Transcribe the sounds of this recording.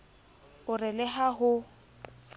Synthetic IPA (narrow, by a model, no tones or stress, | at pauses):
ʊrɪlɛɦaɦʊ